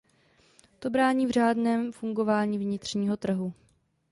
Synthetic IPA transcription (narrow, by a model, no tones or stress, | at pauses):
t̪o̞bɾaːɲiːvr̝aːdnɛːmfuŋɡo̞vaːɲiːvɲɪt̪r̝̥ɲiːɦo̞t̪r̩ɦu